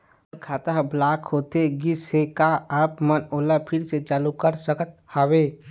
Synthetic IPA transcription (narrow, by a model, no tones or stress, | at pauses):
kʰaːt̪əɦblaːkhoːt̪eɡɪsekaəpmənoːlapʰɪɾset͡ʃaːlukəɾsəkət̪̚haweː